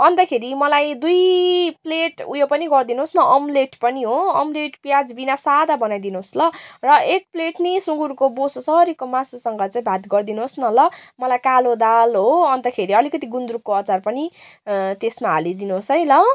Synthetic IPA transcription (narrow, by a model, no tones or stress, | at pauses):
ʌnt̪ʌkʰeɾimʌlajd̪ujpleʈṵjopʌniɡʌrd̪inuɦosnʌʔʌmleʈpʌniɦoʌmleʈpjad͡zbinasad̪abʌnajd̪inuɦoslʌrʌeʈ̚pleʈnisuŋɡurkobososʌɾikomasosʌŋɡʌt͡saĩbʱat̪ɡʌrd̪inuɦosnʌlʌmʌlajkalod̪alɦoʌnt̪ʌkʰeɾiʌlikʌt̪iɡund̪rukːoʌt͡sarpʌnit̪esmaɦa̰lid̪inuɦosɦʌjlʌ